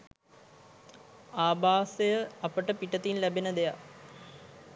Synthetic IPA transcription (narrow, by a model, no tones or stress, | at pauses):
aːbaːsejəapəʈəpiʈət̪inlæbenəd̪eja